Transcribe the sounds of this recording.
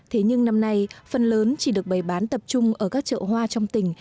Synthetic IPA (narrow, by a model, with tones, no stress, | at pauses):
t̪ʰe˨˦ɲɨ˧ŋna˧mna˧jfə˨˩nləː˨˦nt͡ɕi˧˩ɗɨ˨˩ək̚ɓa˧˩jɓaː˨˦nt̪ə˨˩p̚t͡ɕʊ˧ŋ͡mʔəː˧˩kaː˦˥k̚t͡ɕə̰ː˧˨hwaː˧t͡ɕɔ˧wŋ͡mt̪ï˧˩ŋ̟